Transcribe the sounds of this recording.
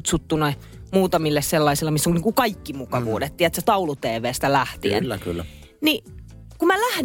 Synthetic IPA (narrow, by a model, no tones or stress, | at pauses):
t̪sut̪ːunoi | muːt̪ɑmilːesselːɑisilːɑmisːoŋniːŋkukɑikːimukɑʋṵːdet̪tiæt̪set̪ɑulut̪eːʋeːst̪ælæht̪ḭḛnːkylː | ni | kumælæhn